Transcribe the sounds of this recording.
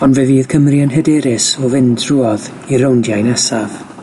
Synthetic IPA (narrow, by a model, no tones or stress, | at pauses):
ɔnvɛviːðkʰəmrianɦɛdɛɾɪsɔvɪndruːɔð | iɾowndjajnɛsav